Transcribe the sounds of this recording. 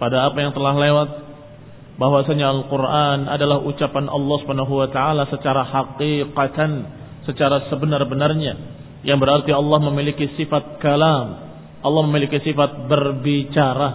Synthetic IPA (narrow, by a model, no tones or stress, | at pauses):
padaːpajaŋt̪əlahlewat̪̚ | baɦwasaɲaalqurʔana̰dalahut͡ʃapanɑ̰lːɑhsu̥panaɦuwat̪aalasət͡ʃaɾahaqiqat̪an | sət͡ʃaɾasəbənarbənarɲa | jaŋbəɾart̪iɑlːɑhməmilikisifat̪̚kalam | ʔɑlːɑhməmilikisifat̪̚bərbit͡ʃaɾa